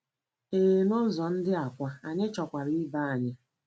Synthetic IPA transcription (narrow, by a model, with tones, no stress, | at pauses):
eː˨nʊ˦zɔ˨n̩˦dɪ˦a˨kʷa˨a˨ɲɪ˦t͡ʃɔ˨kʷa˨ɾi˦i˦ba˦a˨ɲa˦